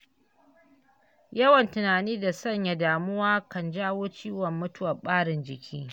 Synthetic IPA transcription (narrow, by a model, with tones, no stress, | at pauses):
jɐ˦wɐ˨ntʊ˨naː˨niː˦da˨sɐ˦˨ɲja˨daː˨mʊ˦waː˦kɐ˨nd͡ʒaː˦woː˦t͡ʃiː˦wɔ˨mːʊ˦tʊ˦wɐ˨ɓaː˦ɽɪ˨nd͡ʒɪ˨kʲʰiː˦